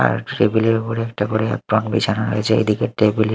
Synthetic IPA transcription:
a̰ɾʈɾebiliɾkoɾeɛkʈakoɾḛpɾɔnbḭt͡ɕʰanoɦo̰jet͡ɕʰeḛd̪ikeʈɾebili

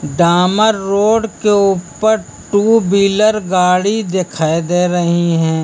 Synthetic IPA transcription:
ɖaːməɾːoːɖkeuːpəɾ | ʈuːbiːləɾɡaːɽid̪ekʰaːed̪eːɾɐɦiɦɛ̃ː

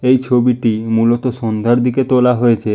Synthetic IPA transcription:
ejt͡ʃʰobiʈimulɔt̪ɔsɔnd̪ʱaɾd̪ʱiket̪olaɦɔet͡ʃʰe

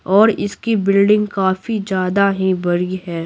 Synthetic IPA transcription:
ɔːɾɪskibɪlɖɪ̃ŋɡkaːfid͡ʒjaːd̪aɦĩbɐɾiɦɛː

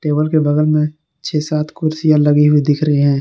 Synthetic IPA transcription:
ʈeːbəlkebɐɡəlmẽ | t͡ʃʰeːsaːt̪ʰkʊɾsijalɐɡiɦʊid̪ɪkʰɾɐɦeɦɛ̃ː

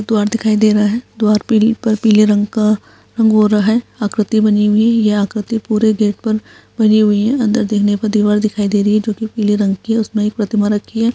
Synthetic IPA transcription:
k̚d̪ʊaːɾd̪ɪkʰaːid̪eːɾɐɦaɦɛːd̪ʊaːɾpiːlpɐɾpiːleɾɐ̃ŋɡka | ɾɐ̃ŋɡɦoːɾaɦɛːaːkɾɪt̪ibɐniɦʊiɦɛ̃jeaːkɾɪt̪ipuːɾeɡeːʈ̚pɐɾ | bɐniɦʊiɦɛ̃ɐ̃nd̪əɾd̪eːkʰnepɐɾd̪iːʋaːɾd̪ɪkʰaːid̪eːɾɐɦiɦɛd͡ʒoːkipiːleɾɐ̃ŋɡkiɦɛ̃ʊsnẽeːk̚pɾɐt̪ɪmaɾɐkʰːiɦɛː

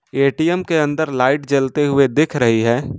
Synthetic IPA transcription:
eːʈijəmkeə̃nd̪əɾlaːɪʈd͡ʒɐlt̪eɦʊed̪ɪkʰɾəɦiɦɛː

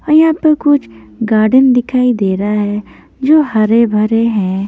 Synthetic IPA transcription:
ɐjãpəkʊt͡ʃʰɡaːɾɖənd̪ɪkʰaːid̪eːɾaɦɛ | d͡ʒoːɦɐɾebʱɐɾeɦɛ̃

